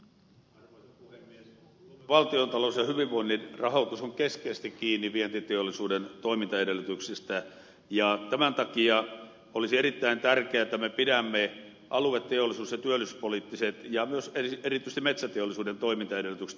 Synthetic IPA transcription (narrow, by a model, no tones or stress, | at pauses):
uei | ʋɑlt̪iont̪ɑlousjɑhyʋiʋʋoinːinrɑhot̪usoŋkeskeːst̪ikkiːnːiʋient̪it̪eolːˑisuːdent̪oimint̪ɑeɾelːˑyt̪yksist̪æ | jɑt̪æmænt̪ɑkiɑ | olisierit̪ːæint̪ærkeæet̪ːæmepidæmːe | ʔɑluet̪ːeolːˑisuːsjɑt̪yølːˑysyspolit̪ːiset̪jɑmyøserierit̪ːˑyst̪imet̪sæt̪eolːisuːdent̪oimint̪ɑeɾelːˑyt̪ykse̥